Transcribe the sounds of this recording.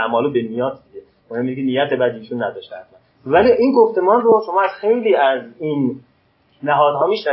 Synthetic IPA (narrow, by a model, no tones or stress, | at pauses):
æmɒːlobemijɒːt̪d̪iɡe | mohemːinkenijæt̪ʰebæd̪iːʃunːæd̪ɒːʃt̪eæt̪mæn | væliʔinɡoft̪e̞mɒːnroʃo̞mɒːæz̥xe̞jliːæziːnː | æɦɒːd̪ɦɒːmiʃnæ